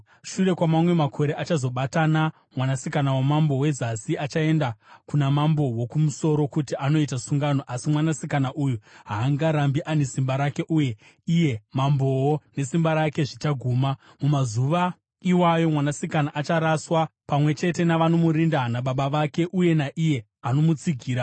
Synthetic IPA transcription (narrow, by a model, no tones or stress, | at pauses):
ʃure̞kwamamwe̞makʰo̞ɾe̞ʔat͡ʃazo̞ɓatana | mwanasikanawamambo̞we̞zasiat͡ʃae̞ndakunamambo̞wo̞kumuso̞ɾo̞kutiʔano̞itasuŋɡano̞ʔasimwanasikanaʔujuɦaːŋɡaɾambiʔane̞simbaɾake̞ʔuːje̞ | ije̞mambo̞wone̞simbaɾake̞ʐit͡ʃaɡʱuːma | mumazuʋa | iwajo̞mwanasikanaʔat͡ʃaɾaswapamwe̞t͡ʃe̞te̞naʋanomuɾindanaɓaɓaʋake̞ʔuje̞naʔije̞ | ano̞mut͡siɡʱiːɾa